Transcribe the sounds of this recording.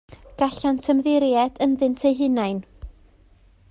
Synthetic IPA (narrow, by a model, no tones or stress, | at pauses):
ɡ̥aɬantʰəmðɪɾjɛdənðɨntʰejɦɪnajn